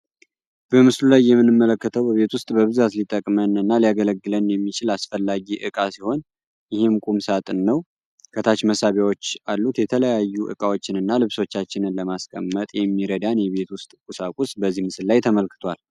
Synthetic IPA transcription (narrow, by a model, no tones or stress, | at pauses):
b̥əmɨslulajːɛmːɨnːɨmːələkːət̪ʰəwbəβe̞t̪wʊst̪ʼbəβɨzat̪lit̪ʼːəkʼmənɨnːaliaɡələɡːɨlənjɛmːit͡ʃɪlasfəlːaɡiʔɨkʼasiho̞n | jɪhɪmkʼumsat̪ʼɨnːəw | kʰət̪ʰat͡ʃməsaβjawo̞t͡ʃːalːut̪jɛt̪ʰələjajːuʔɨ̰kʼawo̞t͡ʃːɪnɨnːalɨβso̞t͡ʃːat͡ʃːɪnɨnləmaskʼə̰mːət̪ʼjɛmːiɾəd̪anjɛβe̞t̪wʊst̪ʼkʼusakʷʼusbəzːihmɨsɨllajt̪ʰəməlkʰɨ̥t̪ʰwal